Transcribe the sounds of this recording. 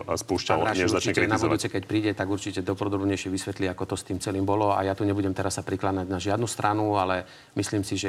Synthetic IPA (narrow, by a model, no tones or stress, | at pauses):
spuːʃcalɾaaɲɛʒzat͡ʃiɲɛt͡ɕkɛɾinabuʋ̪uːt͡sɛkɛcpɾiːɟɛt̪aɡuɾt͡ʃicɛd̪ɔpɾɔd̪ɔbɲɛjʃɪɛʋisʋɛt̪liakɔt̪ɔst̪iːmt͡sɛliːmbɔlɔa̰jat̪uːɲɛbuɟɛmt̪ɛɾasːapɾiklaɲaɟnaʒɪad̪nust̪ɾanualɛ | misliːmsiʒɛ